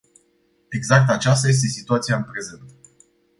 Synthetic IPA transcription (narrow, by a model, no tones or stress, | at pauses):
e̞ɡzak̚t̪at͡ʃast̪aje̞s̬t̪e̞sit̪uat̪sijaɨnpɾe̞ze̞nt̪